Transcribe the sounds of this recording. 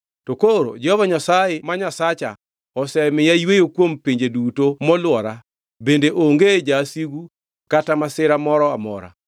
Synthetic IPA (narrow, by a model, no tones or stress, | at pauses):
tokoɾo̰d͡ʒɛhɔvaɲasajɪmaɲasat͡ʃa̰ | ɔsɛmɪjajwejokwompiɲd͡ʒedutomɔlwɔɾa | bendeʔoŋɡed͡ʒasiɡu | katamasɪɾamɔɾɔamɔ̰ɾa̰